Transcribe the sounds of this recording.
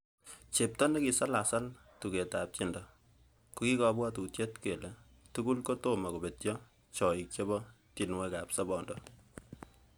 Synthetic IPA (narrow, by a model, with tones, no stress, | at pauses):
t͡ʃe˨p̚tɔ˦ne˦ki˨sa˦lasa˦l | tu˨ke˨tap̚t͡ʃindɔ˨ | kuki˦kɔ˨bwa˦tu˨tje˦tke˨le | tuɡu˦lko˦to˦ma˨ko˨be˨tjɔ | t͡ʃɔ˨i˨k̚t͡ʃe˦bɔ˦ | ti˨nwe˦kapsɔbɔndɔ